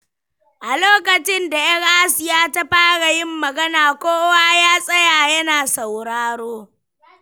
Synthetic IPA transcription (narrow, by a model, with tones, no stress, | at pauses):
ʔa˨loː˦kɐ˨t͡ʃɪ˦nda˨ʔɐ˦rʔa˦sɪ˨jaː˦ta˦ɸaː˦ɽa˨jɪ˦mːɐ˨ɡɐ˦naː˨kʷoː˦waː˦jaː˦sʼɐ˦jaː˨jɐ˦naː˨sa˨wɽaː˦ɽoː˦